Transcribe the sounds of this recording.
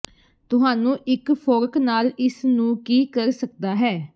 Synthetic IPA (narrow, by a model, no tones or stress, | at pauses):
t̪ʊɦaːnũːʔɪkpʰoːɾknaːlɪsnũːkiːkəɾsək̚d̪aːɦɛː